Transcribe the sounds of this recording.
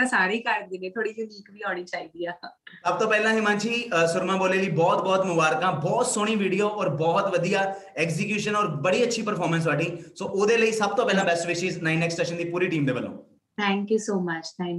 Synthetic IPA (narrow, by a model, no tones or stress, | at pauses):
ãsaːɾiːkəɾd̪ɪnẽːt̪ʰoːɽiːd͡ʒiniːkbiːɦoːɽ̃iːt͡ʃaːiːd̪iːaːəb̚t̪õːpɛːlãːɦiːmãːnt͡ʃʰiːsʊɾmãːboːleːliːbɔːt̪bɔːt̪mʊbaːɾkãːbɔːt̪soːɽ̃iːʋiːɽijoːʔɔːɾbɔːt̪ʋəd̪ijaː | ɛːkzɪkjuːʃənɔːɾbəɽiːətːʃʰiːpəɾpʰɔːɾməns̬ʋaːɖiːsoːʔoːd̪eːləiːsəb̚t̪õːpɛːlãːbɛsʈʋɪʃiːznaːiːnɛːksʈeːʃənd̪iːpuːɾiːʈiːmd̪eːbəlːõ̰ː | t̪ʰɛ̃ːŋkjuːsoːmət͡ʃt̪ʰɛ̃ː